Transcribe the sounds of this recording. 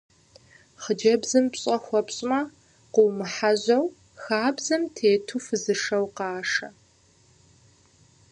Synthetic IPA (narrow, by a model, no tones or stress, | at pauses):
χəd͡ʒɐbzɨmpɕʼɐxʷɔpɕʼmɐ | qəwmɨħaʑɐw | xaːbzɨmtʰeːtʰufɨzɨʂɐwqɑːʂɐ